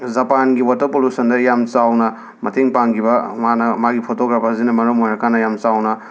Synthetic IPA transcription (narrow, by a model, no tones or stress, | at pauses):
zɐpanɡiwatɐpolusɐndɐjamt͡ʃawnɐ | mɐtʰeŋpaŋɡibɐmanɐmaɡipʰotoɡɾapɐzinɐmɐɾomojɾɐkʰanːɐjamt͡ʃawnɐ